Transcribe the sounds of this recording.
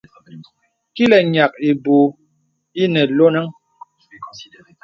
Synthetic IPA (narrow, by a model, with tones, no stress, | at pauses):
ki˦lɛ˨ɲa˨k̚i˨bu˨ | i˦nɛ˨lo˦nə˦ŋ